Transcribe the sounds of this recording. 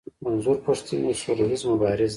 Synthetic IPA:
manzuɾpəʂt̪iniʃʊɾuɦizmabɑɾɪz

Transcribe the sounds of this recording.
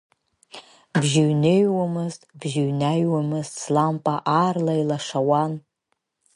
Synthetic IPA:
bʒɪɥnejwamɨztʼbʒɪɥnajwamɨztʼslampʼaʔaːrlailaʂawan

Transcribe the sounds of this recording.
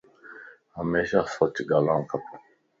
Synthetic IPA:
amɛʃasɔtiɡalãŋkapu

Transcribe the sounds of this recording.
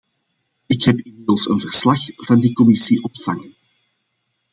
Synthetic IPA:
ɪkhɛpɪnmɪdəlˠsə̰nvərslɑxv̥ɑndikɔmɪsiʔɔntfɑŋn

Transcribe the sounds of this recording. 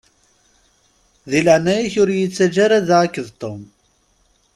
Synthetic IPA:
ðiləʕnæjiçʊɾjət͡sːæd͡ʒaɾaðaəkːəðt̪ˤːom

